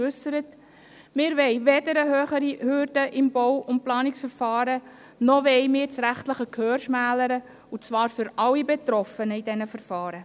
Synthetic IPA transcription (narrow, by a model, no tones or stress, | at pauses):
ʏsəɾət | mɪːɾʋɛɪʋɛdəɾəɦøːχəɾihʏɾdəʔɪmbɔwʊnt̚plɑːnɪksfəɾfɑːɾə | nɔʋɛɪmɪːɾt͡sɾæχtləχəkʰøːɾʃmæːləɾə | ut͡svɑːɾfʏɾɑwibet̪ɾɔfənəɪdɛnəfəɾfɑːɾə